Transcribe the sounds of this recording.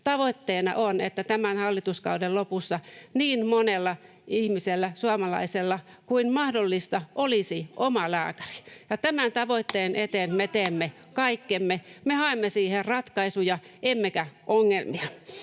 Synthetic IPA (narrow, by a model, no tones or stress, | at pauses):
t̪ɑʋoit̪ːeːnɑ̰ʔonḛt̪ːæt̪æmænhɑlːit̪uskɑ̰udellopusːɑniːnmonelːɑ | ihmiselːæsuɑmɑlɑ̰iselːɑ | kuinmɑhdolːist̪ɑʔolisiʔomɑlæ̰ːkæ̥ri̥jɑt̪æmænt̪ɑʋoit̪ːeːnʔet̪eːnmet̪eːmːe | kɑikːemːemehɑemːesiːherrɑt̪kɑisujɑemːekæʔoŋːelmiɑ